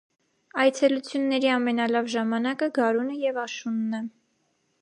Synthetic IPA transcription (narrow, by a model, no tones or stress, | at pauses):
ɑjt͡sʰɛlut͡sʰjunːɛɾiɑmɛnɑlɑvʒɑmɑnɑkəɡɑɾunəjɛvɑʃunːə